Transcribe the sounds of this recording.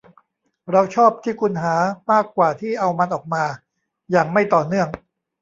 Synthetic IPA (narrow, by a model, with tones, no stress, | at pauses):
ɾa˧wt͡ɕʰɔː˥˩p̚t̪ʰiː˥˩kʰu˧nɦaː˩˦maː˥˩kːwaː˨˩t̪ʰiː˥˩ʔa˧wma˧nʔɔː˨˩k̚maː˧ | jaː˨˩ŋma˥˩jt̪ɔː˨˩nɯ˥˩əŋ